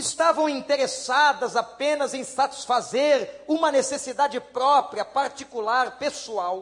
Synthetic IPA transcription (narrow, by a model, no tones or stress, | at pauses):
ɪst̪avɐ̃w̃ĩnt̪eɾesad̪ɐzapẽnɐzẽj̃sat͡ʃi̥sfazeɾũmɐnesesid̪ad͡ʒɪpɾɔpɾiɐpaɾt͡ʃikulaɾpesuaw